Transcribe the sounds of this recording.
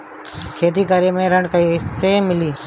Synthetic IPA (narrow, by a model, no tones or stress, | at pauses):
kʰeːt̪iːkəɾemẽːɾəɳɖkiseːmɪliː